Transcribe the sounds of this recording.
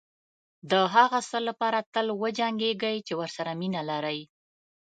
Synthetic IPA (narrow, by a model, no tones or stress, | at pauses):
d̪əɦaɣasəlːapɑɾat̪əlwəd͡ʒaŋɡeɡajt͡ʃewəɾsaɾaminalaɾəj